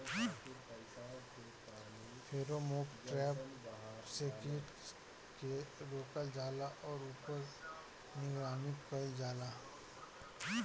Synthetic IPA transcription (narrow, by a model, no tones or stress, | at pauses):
pʰeːɾomoːkʈɾɛːp | sekɪʈ | keɾoːkəld͡ʒaːlaʔɔːɾuːpəɾ | nɪɡɾaːmɪkkəd͡ʒaːla